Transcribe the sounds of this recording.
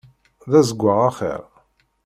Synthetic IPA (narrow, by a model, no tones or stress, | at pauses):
ðæzəɡʷːəʁaχḭɾ